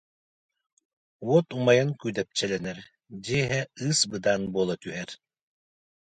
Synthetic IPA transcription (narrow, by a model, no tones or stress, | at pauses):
wɔt̪umajaŋkyjd̪ɛp̚t͡ʃɛlɛnɛɾ | d͡ʒiɦɛɯsbɯd̪aːnbuɔlˠat̪yɦɛɾ